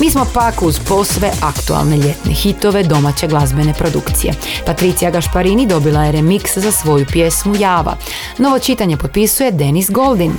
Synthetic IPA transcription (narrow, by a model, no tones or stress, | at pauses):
miːsmo̞pakuzpo̞sʋe̞ʔakt̪ua̰lne̞ʎe̞t̪nexit̪o̞ʋe̞d̪o̞mat͡ɕe̞ɡlˠazbe̞ne̞pɾo̞d̪ukt̪sije̞̰pat̪ɾit̪sijaɡaʃpaɾinid̪o̞bilˠajeɾemikszasʋo̞jupje̞smujaːʋa̰ | no̞ʋo̞t͡ʃit̪aɲe̞po̞t̪̚pisujed̪e̞nisɡo̞lˠd̪in